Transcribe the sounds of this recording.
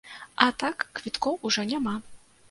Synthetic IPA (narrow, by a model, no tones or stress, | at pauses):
ɐt̪akːvʲit̪kɔwʔuʐɔnʲama